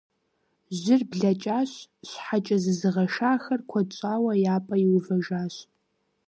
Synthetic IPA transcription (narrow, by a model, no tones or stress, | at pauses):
ʑʷɪrbɮɐt͡ʃʼaːɕɕħat͡ʃʼɐzɨzɨʁɐʃaːxɐrkʷʰɐt͡ʃʷʼaːwɐjaːpʼɐjiwvɐʒaːɕ